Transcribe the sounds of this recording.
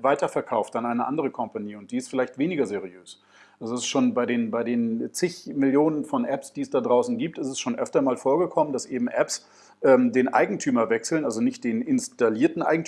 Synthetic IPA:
vaɪtɐfɛɐkʰaʊftd̥anʔaɪnəʔa̰ndəʁ̞əkʰɔmpaniːʊntd̥iːɪstfɪlaɪçtv̥eːnɪɡɐzeʁiøːs | ʔalzoɛsʃoːnbaɪɾeːnbaɪdeːnt͡sɪçmɪljoːnənfɔnʔɛpsd̥iːɛsd̥adʁaʊsn̩ɡiːp̚tɪstɛsʃoːnʔœ̰ftɐmaːlfoːɐɡəkʰɔmənd̥asʔeːbm̩ʔɛps | ʔɛːmdeːnʔa̰ɪɡŋ̩tʰyːmɐvɛksl̩nʔalzonɪçt̚d̥eːnɪnstaliːɐtn̩ʔa̰ɪɡŋ̩t

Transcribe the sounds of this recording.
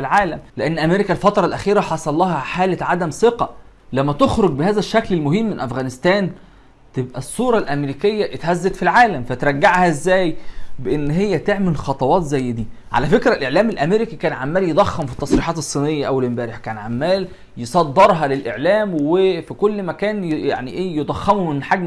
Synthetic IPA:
lʕaːlæmleʔænːʔæmeɾikælfɑt̪ɾˤɑlʔæxiːɾæħɑsˤɑlˤːɑːhæħaːlæʕad̪æmseqɑ | læmːæt̪oxɾoɡ̚behæːzæʃːæklelmʊɦiːmːenʔæfɣæːnɪst̪æːn | t̪ebʔæsˤːuːɾˤɑlʔæmɾiːkejːæʔet̪hæzːet̪filʕaːlæmfæt̪ɾˤɑɡːaʕhæezːæːjbeʔenːɦejːæt̪eʕmelxɑt̪ˤɑwɑːt̪zæjːd̪iːʕa̰læfekɾælʔeʕlæːmelʔæmeɾekikæːnʕamːæːljed̪ˤɑxːemfit̪ːɑsˤɾiːħɑːt̪esˤːiːnejːæʔæwælmbæːɾeħkæːnʕamːæːl | jesˤɑd̪ːeɾˤɦɑlelʔeʕlæːmwefikolːmækæːnja̰ʕniʔeːjed̪ˤɑxːɑmumenħaɡ

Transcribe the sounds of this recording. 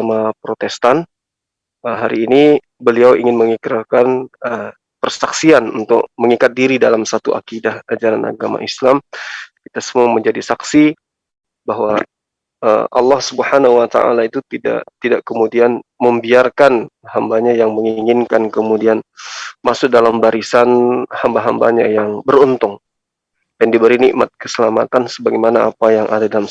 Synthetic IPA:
amapɾot̪ɛst̪an | əɦaɾiːni | bəliawiŋɪnməŋikɾakanə | pərsaksianṵnt̪ʊ̰k̚məŋikat̪̚diɾidalamsat̪uʔa̰kidahad͡ʒaɾanʔa̰ɡama̰ʔislamkit̪asəmuaməɲd͡ʒadisaksi | baɦwa | ə̰ʔɑ̰lːɑhsubəhanaɦuwat̪a̰ʔa̰lait̪ut̪ida̰ʔt̪idaʔkəmudianməmbiarkanhambaɲajaŋməŋiŋɪnkankəmudianmasʊk̚dalambaɾisanhambaɦamba̰ɲajaŋbəɾunt̪ʊŋ | dandibəɾiniʔmat̪̚kəsəlama̰t̪ansəbaɡɛjmanaa̰pajaŋʔa̰dadalam

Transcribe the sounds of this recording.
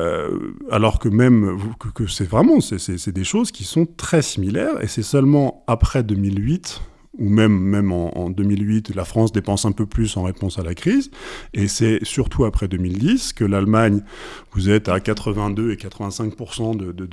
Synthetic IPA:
ø̰a̰lɔʁkəmɛmvukəkəsɛvʁɛmɑ̃sɛsɛsɛd̪eʃozkʲisɔ̃t̪χɛsimilɛʁḛsɛsœlmɑ̃apχɛd̪ømilɥit̪ | umɛmːɛmɑ̃ɑ̰̃d̪ømilɥit̪lafχɑ̃sd̪epɑ̃sɛ̃pøplysɑ̃ʁepɔ̃salakχizesɛsyʁt̪ʰuapχɛd̪ømild̪iskəlalmaɲvuzɛt̪akat̪χəvɛ̃d̪øekat̪χəvɛ̃sɛ̃k̚puʁsɑ̃d̪əd̪ə

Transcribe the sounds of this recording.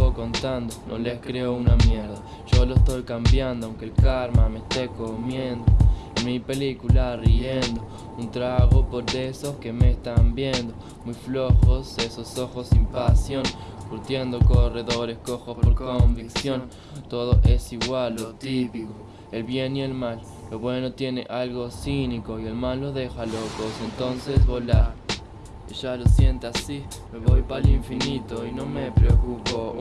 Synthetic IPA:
oko̞nt̪and̪onʔoleskɾeounamjeɾða | ʒ̥o̞loest̪o̞jkambjand̪oawŋkelkaɾmamest̪ekomjend̪oenmipe̞likulariend̪o̞ | unt̪ɾaɣopo̞ɾd̪esoskemeːst̪ambjend̪o̞ | mujfloxo̞sesoso̞xosimpasjonkuɾt̪je̞nd̪okoreðo̞ɾeskoxosppoɾkombiksjon | t̪o̞ðoʔe̞siɣwalːot̪ipiko | elβje̞nielmal | loβwe̞no̞t̪je̞nḛʔalɣo̞siniko̞ie̞lmalːoðexalokosent̪o̞nsesβola | eʒalosje̞nt̪easi | meβojpaliɱfinit̪oino̞mepɾeokupo

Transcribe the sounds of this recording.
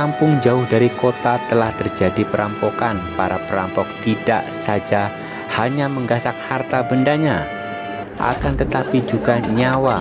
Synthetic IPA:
ampʊŋd͡ʒaʊhdaɾikot̪at̪əlaht̪ərd͡ʒadipəɾampɔkanpaɾapəɾa̰mpɔk̚t̪ida̰ʔsad͡ʒa | haɲaməŋɡasak̚hart̪abəndaɲa | ʔa̰kant̪ət̪apid͡ʒuɡanɲawa

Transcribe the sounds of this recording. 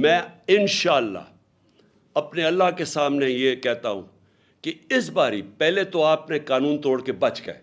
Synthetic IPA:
mɛ̃ːɪnʃaːlːa̰ | ɐpneɐlːakesaːmnejekɛɦt̪aɦṵ̃ː | keɪsbaːɾipɛɦlet̪oaːpnekaːnũːnt̪oːɽkebɐt͡ʃkḛː

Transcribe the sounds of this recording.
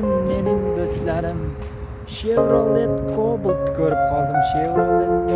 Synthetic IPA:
mːe̞nɪmd̪oslaɾɪm | ʃevɾolˠd̪et̪kʰoblˠt̪ːkʲʰɵɾɪp̚qʰɒlˠd̪ɪmʃevɾolˠd̪e

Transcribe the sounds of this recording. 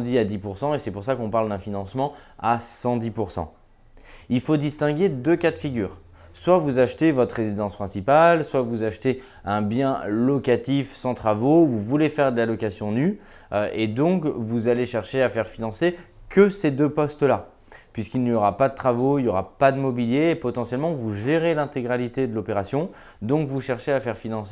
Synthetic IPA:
d̪iad̪ipuʁsɑ̃esɛpuʁsakɔ̃paʁld̪ɛ̃finɑ̃smɑ̃ | asɑ̃d̪ipuʁsɑ̰̃ | ilfod̪ist̪ɛ̃ɡʲed̪økat̪fiɡʲy̰ːʁ | swavuzaʃt̪evɔt̪χʁezid̪ɑ̃spχɛ̃sipalswavuzaʃt̪e | ɛ̃bjɛ̃lɔkat̪ifsɑ̃t̪χavovuvulefɛʁd̪əlalɔkasjɔ̃ny | øʔed̪ɔ̃kvuzaleʃɛʁʃeafɛʁfinɑ̃se | kʰəsed̪øpɔst̪la | pɥiskilnijɔʁapad̪ət̪χavoiljɔʁa̰pad̪əmɔbiljeːpɔt̪ɑ̃sjɛlmɑ̃vuʒeʁelɛ̃t̪eɡʁalit̪ed̪əlɔpeʁasjɔ̃ | d̪ɔ̃kvuʃɛʁʃeafɛʁfinɑ̃se

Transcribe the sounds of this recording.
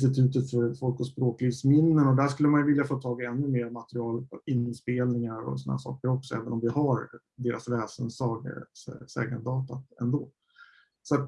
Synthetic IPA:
st̪ɪt̪ʰʉ̟ːt̪ət̪fœɾfɔlkɔspɾoːkliːvsmɪnːənɔd̪æʂkɵlːəmanjvɪljafoːt̪ʰɑːɡaɛnːɵmeːɾmat̪əɾɪɑːlɪnspeːlnɪŋaɾɔ̰sɔnahæ̰ʂɑ̰ːkəɾɔksɔɛːvənɔmvɪhaɾ | d̪eːɾasvɛːsənsɑɡ̰sɛ̰ːɡənd̪ɑːt̪at̪ɛ̰nd̪oː | sat̪

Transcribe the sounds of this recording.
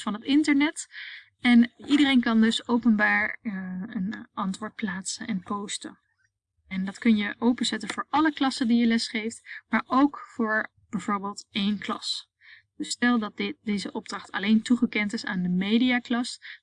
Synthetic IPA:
fɑnɦətɪntəɹnɛt | ɛnʔidərejnkɑndɵsowpənbaːɹ | ənɑntʋʊːɹt̚plaːtsənɛnpowstə̰ | ɛndɑtkɵnjəʔowpənzɛtənv̥ʊːɹʔɑləklɑsəndijəlɛsχejftmaːɹʔowkfʊːɹ | b̥ɛjv̥ʊːɹbeːlˠtejnklɑ̰s | d̥əstɛlˠdɑt̚dɪdezəʔɔb̚drɑχtɑ̰lejntuχəkɛntɪsaːndəmejdijaːklɑs

